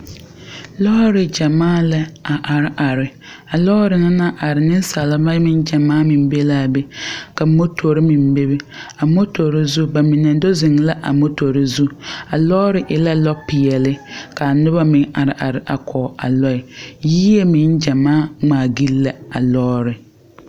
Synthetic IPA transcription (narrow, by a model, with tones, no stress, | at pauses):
lɔ˦ɾɪ˨d͡ʒa˨maː˦la˦a˨ʔa˨ɾɪ˨ʔa˨ɾɪ˨ | a˨lɔː˦ɾɪ˨na˦na˦ʔa˨ɾɪ˨nɪ˦n˦sa˨la˨ba˦mɪ˦nd͡ʒa˨maː˦mɪ˨m˦be˦laː˦be˦ka˨mo˦to˨ɾɪ˦mɪ˨mbe˦be˦a˨mo˦to˨ɾɪ˦zu˦ba˨mɪ˨na˨do˦zɪ˨ŋla˦ʔa̰˨mo˦to˨ɾɪ˦zu˦a˨lɔː˦ɾɪ˦ʔɪ˨la˦lɔ˦pɪ˨jɛ˨lɪ˦ka˨nʊ˦βa˦mɪ̃˨˦ŋa˨ɾɪ˨ʔa̰˨ɾɪ˨ʔa̰˨kʰɔ˨ʔa̰˨lɔ˦ɪ˨jiː˦je˦mɪ˨˦nd͡ʒa˨maː˦ŋ͡maː˨ɡi˦lla˨a̰˨lɔː˦ɾɪ˨